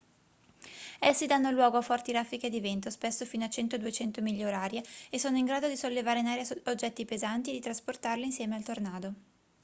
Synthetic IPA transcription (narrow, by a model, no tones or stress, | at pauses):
esːid̪anːoilwɔːɡoafːɔrt̪iɾafːik̟ed̪ivent̪ospesːofiːnoat͡ʃɛnt̪od̪uet͡ʃɛnt̪omiʎːaoɾaːɾjeesːoːnoiŋɡɾaːd̪od̪isolːevaːɾeinaːɾjaod͡ʒːɛt̪ːipezant̪ied̪it̪ɾasport̪arliːnsjɛːmealt̪ornaːd̪o